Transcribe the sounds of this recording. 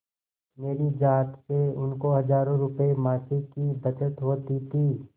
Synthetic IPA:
meːɾid͡ʒaːt̪seʊnkoɦɐd͡ʒaːɾõɾʊpemaːsɪkibɐt͡ʃət̪ɦoːt̪it̪ʰiː

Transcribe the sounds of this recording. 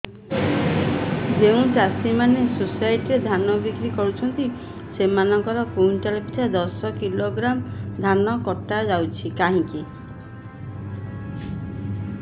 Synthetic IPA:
d͡ʒeũt͡ʃasimanesusajʈiɾed̪ʱanɔbikɾikɔɾut͡ʃʰɔnt̪i | semanɔŋkɔɾɔkunʈalpi̥t͡ʃʰad̪ɔsɔkiloɡɾamd̪ʱanɔkɔʈːad͡ʒawt͡ʃʰikaɦĩŋki

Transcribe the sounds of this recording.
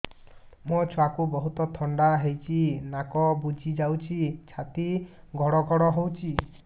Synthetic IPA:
mɔt͡ʃʰwakubɔɦut̪ɔt̪ʰɔɳɖaɦejt͡ʃʰinakɔbud͡ʒʱid͡ʒawt͡ʃʰit͡ʃʰat̪i | ɡʱɔɽɔɡʱɔɽɔɦowt͡ʃʰi

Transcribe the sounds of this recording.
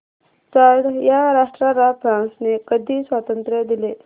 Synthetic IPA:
t͡saɽjaɾaʂʈɾaɾafɾãnsnekəd̪ʱiːsʋat̪ənt̪ɾəd̪ile

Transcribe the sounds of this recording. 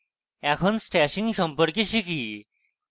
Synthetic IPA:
ɛkʰonsʈɛɕĩŋɡɕɔmpəɽkiɕikʰi

